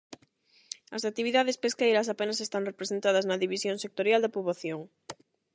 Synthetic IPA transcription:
ɐsak̚t̪iβiðaðespeskejɾɐs̬apenɐs̬est̪aŋrepɾesent̪aðɐznɐðiβisjõŋsek̚t̪oɾjald̪ɐpuβaθjoŋ

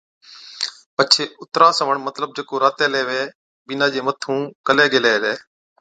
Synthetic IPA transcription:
pət͡ʃʰeːʊt̪ɾaːsəʋəɳmət̪ləb̚d͡ʒeːkoːɾaːt̪eːleːʋeː | bɪnaːd͡ʒeːmət̪ʰũːkəleːɡeleːleː

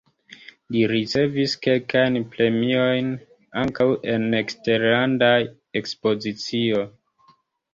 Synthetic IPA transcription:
liɾit͡se̞viske̞lkajnpɾe̞mio̞jn | aŋkawʔe̞ne̞kste̞ɾlanda | ekspo̞zit͡sio̞

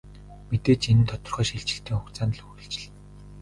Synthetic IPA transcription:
met̪eːt͡ɕinɘ̆nt̪ʰɔt̪ɞ̆rχœːʃiɮt͡ɕɪ̆ɬt̪ʰiːŋxʊkt͡saːnɮɵ̆ɬt͡ɕɪ̆ɮ

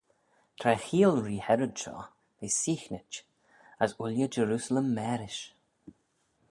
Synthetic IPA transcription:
t̪ʰɾɛxiːlɹiːhɛɾədʃɔ̰ː | beːsiːxnɪt͡ʃ | əsʊljəd͡ʒəɾuːsələmːɛːɾɪʃ

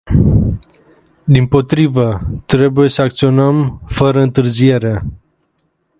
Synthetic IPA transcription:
d̪impo̞t̪ɾivət̪ɾe̞buje̞səak̚t̪sio̞nəmfəɾəɨnt̪ɨrzije̞ɾe

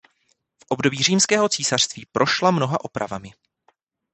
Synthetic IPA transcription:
fʔobdo̞biːriːmskɛːɦo̞t͡siːsar̝̥st̪viːpɾʔo̞ʃlamno̞ɦaʔopɾa̰vamɪ

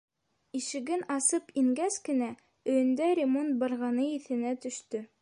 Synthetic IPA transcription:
iʃɘ̆ɡɘnɑsɤpiŋɡæskɘ̆næ | ɵ̆jɵ̆nd̪æɾʲɪmont̪̚bɑɾʁɑnɤiθɘ̆næt̪ɵ̆ʃt̪ɵ

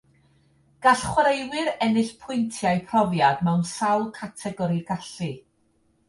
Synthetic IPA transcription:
ɡ̥aɬχwɾejwɪɾɛnɨɬpʰʊjntʰjajpʰrɔvjadmɛwnsawlˠkʰatʰɛɡɔɾiɡaɬɨ

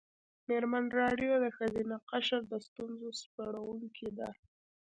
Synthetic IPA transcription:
meɾmanɾɑɖjod̪əxazinaqaʃaɾd̪əst̪unzospaɽawuŋkʰid̪a̰

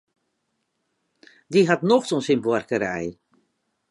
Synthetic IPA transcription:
diɦatnɔxtɔnsinbwarkəɾɛ̰j

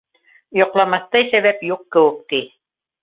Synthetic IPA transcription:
jŏqlˠɑmɑθt̪ɑjsæβæpjuqkɘ̆wɘk̚t̪i

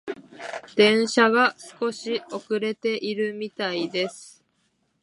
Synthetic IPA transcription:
d̪̥ẽ̞ɰ̃ɕaɡasɨ̥ko̞ɕio̞kɯ̟ɾe̞t̪e̞ʔiɾɯ̟mʲit̪aid̪e̞sɨ̥

